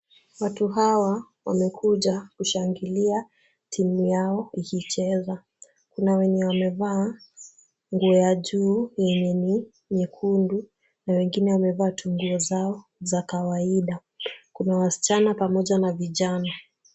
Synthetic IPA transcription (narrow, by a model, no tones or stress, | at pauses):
watuɦawa | wa̰mɛkʰuʄakuʃaŋɡilia | tʰimujaɔihit͡ʃɛza | kunawɛɲɛwamɛvaː | ŋɡuɔjaʄuːjɛɲɛni | mikʰundu | nawɛŋɡinɛwamɛvaːtuŋɡuɔzaɔzakawaiɗa | kunawasi̥t͡ʃanapamɔʄanaviʄana